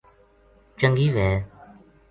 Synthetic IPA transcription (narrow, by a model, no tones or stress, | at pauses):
t͡ʃəŋɡiːʋɛː